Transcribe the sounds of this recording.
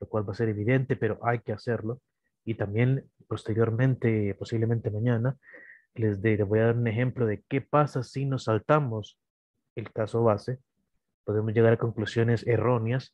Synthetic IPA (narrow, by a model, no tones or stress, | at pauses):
lokwalbase̞ɾe̞βiðe̞nt̪e̞pe̞ɾo̞ʔajke̞ase̞ɾlo̞ | it̪ambje̞n | po̞st̪e̞ɾjo̞ɾmẽ̞nt̪epo̞siβleme̞nt̪emaɲana | lezd̪eeβo̞jaðaɾunexe̞mplo̞ðe̞ke̞pasasino̞salt̪amo̞s | e̞lkaso̞βase̞ | po̞ð̞e̞mo̞sʝe̞ɣaɾako̞ŋklusjo̞ne̞sero̞njas